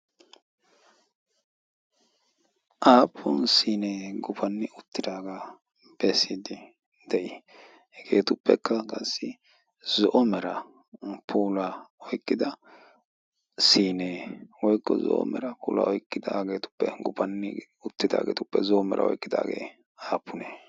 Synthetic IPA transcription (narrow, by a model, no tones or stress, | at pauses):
ʔaːpʰːɔnsiːneːɡʊpɐnːɪʊt̪ːɪd̪aːɡa | b̥ɛsid̪ɪ | d̪̥ɛʔɪ | ɡeːt̪ʊpːɛkːɐkʼɐsːɪ | zɔʔɔmɛɾɐ | pʰuːlɐɔjkʼːɪd̪ɐ | siːneːwɔjkːɔzɔ̰ʔɔ̰mɛɾɐpuːlɐ̰ɔjkʼːɪd̪aɡeːt̪ʊ̥pːɛɡʊpɐnːɪ | ʊt̪ːɪd̪a̰ːɡeːt̪ʊpːɛzɔʔɔmɛɾɐ̰ɔ̰jkʼːɪd̪a̰ːɡḛː | aːpʰːʊneː